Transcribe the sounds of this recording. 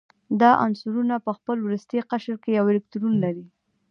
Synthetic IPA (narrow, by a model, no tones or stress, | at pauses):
d̪ɑʔa̰nsuɾunapəxpəlwɾust̪eqaʃəɾkejawɪlɪk̚t̪uɾunalaɾi